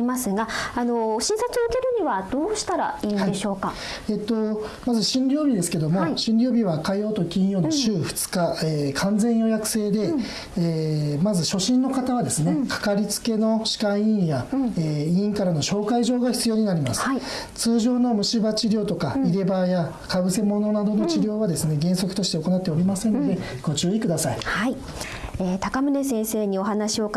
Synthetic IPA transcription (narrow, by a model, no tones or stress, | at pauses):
imasɨɡaano̞ɕĩɰ̃sat͡sɨokʲeɾɯ̟ɲ̟iβad̪̥oːɕi̥t̪aɾa̰iːnaieɕo̞ːka | e̞ːt̪ːo̞mazɨɕĩnɾʲo̞ːbʲid̪e̞sɨ̥ke̞d̪o̞mo̞ɕĩnɾʲo̞ːbʲiβ̞akajo̞ːt̪o̞kʲĩjo̞ːnoɕɨːɸɯ̟̥t͡sɨ̥kaeːkʰãnd͡zẽ̞ɰ̃jo̞jakɯ̟̥se̞ːd̪e̞ | emazɨɕo̞ɕĩnːo̞kat̪aβad̪e̞sɨne̞kʰḁkaɾʲit͡sɨ̥ke̞no̞ɕi̥kãĩjaeĩŋkaɾano̞ɕo̞ːkaiʑo̞ːɡaçi̥t͡sɨjo̞ːɲ̟inaɾʲimasɨ̥ | t͡sɨːʑo̞ːno̞mɯ̟ɕibat͡ɕiɾʲo̞ːt̪o̞kaiɾe̞baja | kaɡɯ̟se̞mo̞no̞nad̪ono̞t͡ɕiɾʲo̞ːβad̪e̞sɨne̞ɡẽ̞ɰ̃so̞kɯ̥t̪o̞ɕi̥t̪e̞oko̞nat̪ːeo̞ɾʲimasẽ̞nːod̪e̞ɡ̥o̞t͡ɕɨːikɯd̪asaihai | eːt̪akamɯ̟ne̞sẽ̞ɰ̃se̞ːɲ̟io̞ɦanaɕio̞